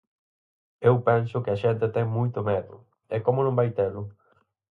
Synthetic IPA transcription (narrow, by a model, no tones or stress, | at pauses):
ewpɛ̃nsʊkɪaʃɛnt̪ɪt̪ɛ̃ŋmujt̪ʊmɛðʊ | ɛkomʊ̃nõŋbajt̪elʊ